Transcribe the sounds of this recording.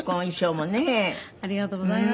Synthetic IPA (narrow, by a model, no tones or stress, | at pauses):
kõiɕoːmoneɐɾiɣat̪oza